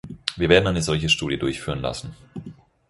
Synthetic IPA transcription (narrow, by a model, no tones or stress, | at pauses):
viːɐveːɐdn̩ʔaɪnəzɔlçəʃtuːdijədʊɐçfyːʁ̞ənla̰sn̩